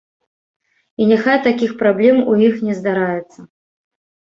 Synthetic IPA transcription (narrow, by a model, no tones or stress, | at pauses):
inʲaxajt̪akʲixpɾablʲɛmujixnʲɛzd̪aɾajɛt̪sːɐ